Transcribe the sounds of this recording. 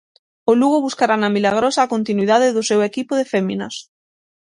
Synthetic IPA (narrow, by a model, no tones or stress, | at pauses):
ʊluɣoβuskaɾanamilaɣ̞ɾosaːkont̪inwiðaðɪðʊsewekipʊðefeminas